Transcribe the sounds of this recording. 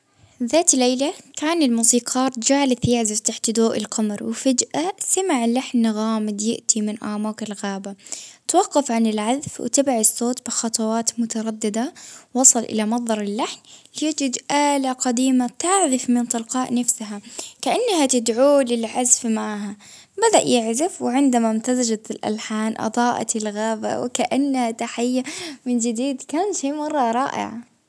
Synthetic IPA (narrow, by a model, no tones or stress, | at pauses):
ðaːt̪lːeːlakʰaːnɪlmuːsiːqʰɑːɾˤd͡ʒaːlɪθjaːʕzɪft̪aħt̪d̪oːʔɪ̰lqɑmɾwɪfad͡ʒʔasamɪʕɪlːaħnːɣaːmɪd̪jɪ̰ʔt̪ʰimɪnʔa̰ːmaːqɪlɣaːbat̪wɑqːɑfʕanɪlʕaðfw̰t̪abʕɪsːoːt̪bɪxɑt̪ˤɑwɑːt̪mʊt̪ɑɾˤɑd̪ːɪd̪awɑsˤɑlʔɪ̰lamɑðˤːɑɾˤɪlːaħnlɪjad͡ʒɪd̪ʔaːlaqɑd̪iːmat̪aʕðɪfmɪnt̪ˤɨlqɑːʔnafsaɦakaʔanːahat̪ɪd̪ʕuːlɪlʕazfmaʕɦa | bad̪aʔjɪʕðɪfwɪʕɪnd̪amamt̪azad͡ʒat̪ɪlʔa̰lħaːnʔɑ̰d̪ˤɑːʔa̰t̪ɪlɣaːba̰wɪkaʔanːahat̪aħajːamɪnd͡ʒɪd̪iːd̪kaːnʃeːmɑrˤːɑɾˤɑːʔɪ̰ʕa